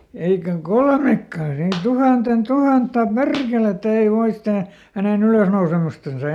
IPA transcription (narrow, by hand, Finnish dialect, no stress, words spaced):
eikæŋ kolmekːɑˑn ei tuhɑnten tuhɑtːɑ perkeletːæ ei ʋoi stæː hænen yløsnousemustɑnsɑ